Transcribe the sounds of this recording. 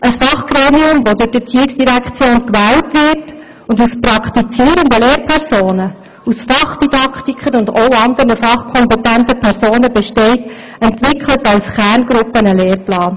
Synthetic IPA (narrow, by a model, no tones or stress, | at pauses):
ʔəsfɑχɡ̥ɾeːmiʊmʋodʊd̥ɪt͡siːɪksd̥iɾækt͡sjoːnkʋæːltʋɪɾt | ʊndusprɑkʰtit͡siːəɾəndəleːɾpʰɛɾsoːnə | usfɑχd̥id̥ɑktikχəɾʊndoʊɑnd̪ənəfɑχkʰɔmpɛtæntəpʰɛɾsoːnəbɛʃtɛɪt | ɛntʋɪkχlətɑwsχæːrnɡ̥ɾʊpːənəleːrplɑːn